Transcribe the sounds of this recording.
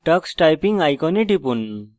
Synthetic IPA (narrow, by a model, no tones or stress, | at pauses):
ʈʌksʈajpiŋajkɔniʈipun